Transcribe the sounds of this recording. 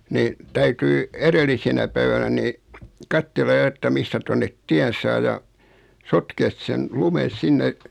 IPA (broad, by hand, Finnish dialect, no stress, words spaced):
ni tæytyi eɾelːisenæ pæiʋænæ ni kɑtːelːɑ jo etːæ mistæ tonːet tiæn sɑː jɑ sotkeːs sen lumen̞ sinːe